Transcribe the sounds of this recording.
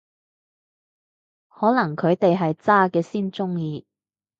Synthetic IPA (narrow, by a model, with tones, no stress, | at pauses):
hɔː˨˥lɐ˨˩ŋkʰɵ˨˧ɥt̪e˨jɦɐ˨jt͡saː˥kɛː˧siː˥nt͡sʊ˥ŋjiː˧